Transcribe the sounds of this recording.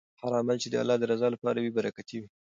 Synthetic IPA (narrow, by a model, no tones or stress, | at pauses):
haɾɑmalt͡ʃed̪əa̰lːɑd̪əɾazɑlapɑɾawibaɾakat̪iwi